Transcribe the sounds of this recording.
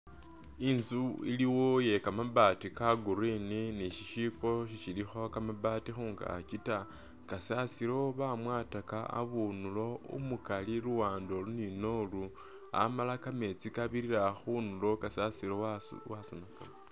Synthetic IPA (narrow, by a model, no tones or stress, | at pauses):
inzuḭliwo̞je̞kamaβatikaɡuɾininiʃiʃiko̞ʃiʃilixo̞kamaβatixuːŋɡa̰ːcita | kasasiɾo̞βamwaːtakaa̰βunulo̞ṵmukaliɾuwaːndolunino̞lu | a̰malakame̞t͡sikaβiɾiɾaxunulo̞kasasiɾowasonaka